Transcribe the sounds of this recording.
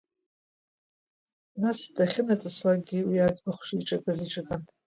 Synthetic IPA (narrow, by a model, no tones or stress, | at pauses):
nasd̥aχʲɪnat͡sʼɨslaɡʲiwiad͡zbaχʷʃiʈ͡ʂʼakʼaziʈ͡ʂʼakʼan